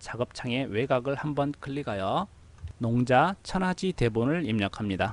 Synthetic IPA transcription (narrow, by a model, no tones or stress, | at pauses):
t͡ɕaɡʌp̚t͡ɕʰaŋe̞we̞ɡaɡɯɭhambʌnkʰɯɭːiɡajʌ | noŋd͡ʑat͡ɕʰʌnɦad͡ʑite̞bonɯɭimɲʌkʰamɲida